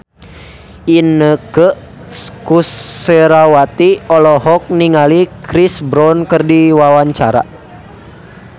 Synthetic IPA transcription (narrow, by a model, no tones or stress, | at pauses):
inːəkə | kuseɾawat̪iɔlɔɦɔk̚niŋalikɾisbɾɔnkərdiwawaɲt͡ʃa̰ɾa̰